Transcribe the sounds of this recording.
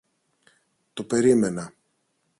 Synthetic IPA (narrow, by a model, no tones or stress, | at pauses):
t̪o̞pe̞ɾime̞nɐ